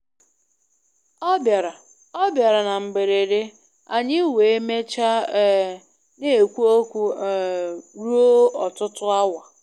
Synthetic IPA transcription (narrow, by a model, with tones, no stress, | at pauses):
ɔ˦bja˨ɾa˨ | ɔ˦bja˨ɾa˨na˨m̩˨be˨ɾe˨ɾe˦ | a˨ɲɪ˦we˨e˦me˦t͡ʃa˦ | ne˦˨kʷu˦o˦kʷu˦˨ | ɾu˦o˦ɔ˨tʊ˦tʊ˦a˦wa˨